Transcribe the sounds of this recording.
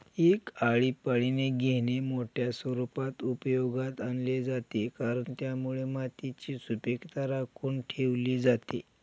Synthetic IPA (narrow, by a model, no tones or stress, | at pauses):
ekaɭipəɭineɡʱeñemoʈʰjasʋəɾupat̪upəjoɡat̪anled͡zat̪ekaɾəɳt̪jamuɭemat̪it͡ɕiːsupekt̪aɾakʰuːɳʈʰeʋliːd͡zat̪ḛ